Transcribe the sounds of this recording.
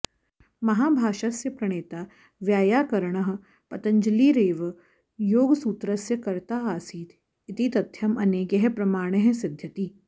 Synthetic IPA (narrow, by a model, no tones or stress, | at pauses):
mɐɦaːbʱaːʃasjɐpɾɐɳ̃eːt̪aː | ʋjaːjaːkɐɾɳɐɦ̆ | pɐt̪ɐɲd͡ʒɐliːɾeːʋ | joːɡsuːt̪ɾɐsjɐkɐɾt̪aːaːsiːt̪ | it̪iːt̪ɐt̪ʰjɐmɐneːɡɐɦpɾɐmaːɽ̃ɐɦɐsɪd̪ʱjɐt̪iː